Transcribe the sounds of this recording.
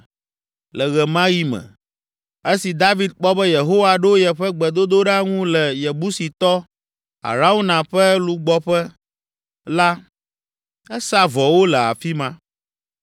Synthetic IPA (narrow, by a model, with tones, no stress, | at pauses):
lɛ˨ɣɛ˨mã˦ji˦mɛ̰̃˨ | e˦si˨d̪a˦vi˨d̪̚k͡pɔ˦bɛ˦je˨ɦo˦wa˨ɖo˦jɛ˨ɸɛ˦ɡ͡bɛ˨d̪o˦d̪o˦ɖa˦ŋũ˦lɛ˨je˨bu˦si˨t̪ɔ˦ | a̰˨ɾa˦wu˦nã˨ɸɛ˦lu˦ɡ͡bɔ˦ɸɛ˦ | la˦ | ɛ˦sa˦vɔ˨wo˦lɛ˨a̰˨fi˦mã˦